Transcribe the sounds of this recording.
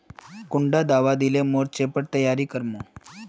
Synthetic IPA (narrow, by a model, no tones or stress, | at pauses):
kʊɳɖad̪aʋad̪ilemoɾt͡ʃepəɽt̪əjaɾikəɾmo